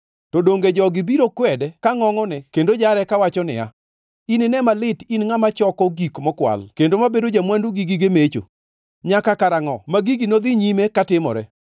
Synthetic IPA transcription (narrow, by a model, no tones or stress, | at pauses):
tɔdoŋɡed͡ʒɔɡɪbiɾokwɛdɛkaŋɔŋɔnɛkendod͡ʒaɾɛkawat͡ʃɔnɪ̰a̰ | inɪnɛmalɪtinŋamat͡ʃɔkɔɡikmɔkwa̰lkendomabedod͡ʒamwanduɡiɡiɡemet͡ʃo̰ | ɲakakaɾaŋɔmaɡiɡinod̪ɪɲimekatɪmɔ̰ɾɛ